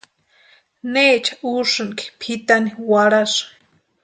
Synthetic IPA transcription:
neːt͡ʃḁuʂɨŋki̥pʰit̪aniwaɾas

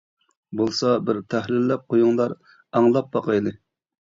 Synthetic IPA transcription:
bolˠsɑbɪɾt̪ʰæhlɪlːɛp̚qʰojuŋlˠɑɾ | ɑŋlˠɑp̚bɑqɑjlɨ

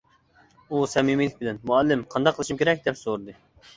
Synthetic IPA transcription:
usɛmimilɪk̚ʲbɪlɛnmuɛlːɪmqʰɑnd̪ɑqʰːəlˠɨʃumkʲʰeɾɛk̚ʲd̪ɛpsoɾɨd̪ɨ

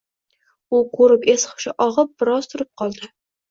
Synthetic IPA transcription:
ʊqʰoɾɪpesχʊ̥ʃɪʔɒʁɨp̚bɪɾɒz̥t̪ʰʊɾɪp̚qʰɒlˠd̪ɪ

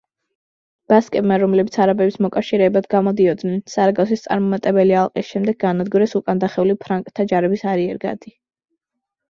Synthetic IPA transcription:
b̥askʼɛbmaɾɔmlɛbit̪sʰaɾabɛbismɔkʼafʃiɾɛbad̪ɡamɔd̪iɔd̪nɛnsaɾaɡasist̪sʼaɾmɔmat̪ʼɛbɛlialˠqʼisʃɛmd̪ɛɡ̚ɡanad̪ɡuɾɛsukʼand̪aχɛulipʰɾaŋkʼt̪ʰːad͡ʒaɾɛbisaɾiɛɾɡa̰d̪i

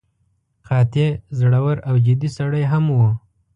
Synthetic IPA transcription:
qɑt̪ezɽawəɾawd͡ʒɪd̪isaɽəjɦamwə

